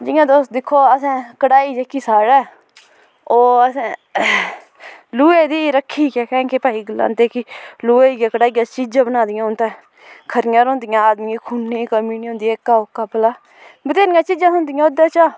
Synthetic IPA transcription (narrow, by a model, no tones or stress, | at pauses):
d͡ʒɪjãːd̪oːsd̪ɪkʰːoːəsãːkəɽaːiːd͡ʒeːkiːsaːɽɛː | oːəsãː | luːeːd̪iːɾəkʰːiːkɛːkɛ̃ːkepaːiːɡəlːa̰ːnt̪eːkiluːeːɡaːkəɽaːiːat͡ʃid͡ʒãːbənaːd̪ɪjãːɦʊnt̪ɛː | kʰəɾɪjãːɾõːnd̪ɪjãːaːd̪miːẽkʰuːnːeːkəmiːnĩːʊ̃ːnd̪iːɛːkːaːʊkːaːpəlaː | bət̪eːnɪjãːt͡ʃiːd͡ʒãːɦʊnd̪ɪjãːoːd̪aːt͡ʃaː